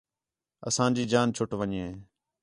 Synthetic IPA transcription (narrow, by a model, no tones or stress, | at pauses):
ə̰sãːd͡ʒiːd͡ʒaːnt͡ʃʰʊʈʋəɲẽː